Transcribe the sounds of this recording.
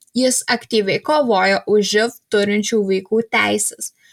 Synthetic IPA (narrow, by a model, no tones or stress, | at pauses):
jɪsɐkt̪ʲiːʋʲɛɪkoːʋoːjoːʔʊʒʒʲɪft̪ʊɾʲɪnʲt͡ʃʲuːʋɐɪkuːt̪ʲæˑɪsʲɛs